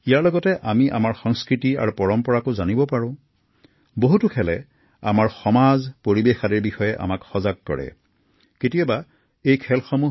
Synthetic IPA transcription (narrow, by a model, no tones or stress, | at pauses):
ijaɹlɔɡɔtɛʔamiʔa̰maɹxɔŋskɹitia̰ɹupɔɹɔmpɔɹakʊzanibɔpaɹʊ̃ | boɦutukʰɛlɛ | a̰maɹxɔmazpoɹibexadiɹbixɔjɛʔa̰makxɔzaɡ̚kɔ̰ɹɛ̰ | ketiaba | ejkʰɛlxɔmu